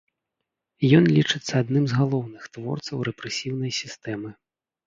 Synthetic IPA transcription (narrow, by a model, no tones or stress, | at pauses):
jɔnlʲit͡ʂɨt̪sːɐːd̪nɨmzɣalˠɔwnɨxt̪vɔ̰rt̪sɐwɾɛpɾɛsʲiwnɐjsʲist̪ɛmɨ